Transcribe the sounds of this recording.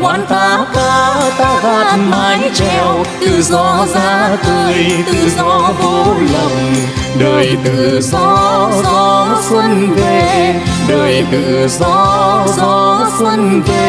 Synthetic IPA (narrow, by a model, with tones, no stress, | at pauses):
waː˧˩nt̪aː˧kaː˧t̪aː˧˩ɣaː˧˩t̚maː˨˧˦jt͡ɕɛ˧˩wt̪ɨ̰˧˨zɔ˧zaː˧˦t̪ɨ˧˩jt̪ɨ̰˧˨zɔ˧vo˧lə˨˩m̚ | ɗəː˨˩jt̪ɨ̰˧˨zɔ˧˥zɔ˧sə˧ŋve˧˩ɗəː˨˩jt̪ɨ̰˧˨zɔ˧˥zɔ˧swə˧ŋve˧